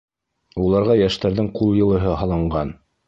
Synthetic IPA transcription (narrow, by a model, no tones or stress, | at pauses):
ulˠɑɾʁɑjæʃt̪æɾðɘŋqulˠjɤ̆lˠɤ̆ɦɤɦɑlˠɑɴɢɑn